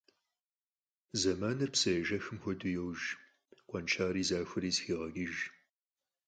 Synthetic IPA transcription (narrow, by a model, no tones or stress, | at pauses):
zɐmaːnɨrpsɐjɛʒɐxɨmxʷɔdujɛwʒ | qʷʼɔnt͡ʃʰaːɾiːzaːxʷɨɾiːsxiːʁɐɡʲɪʒ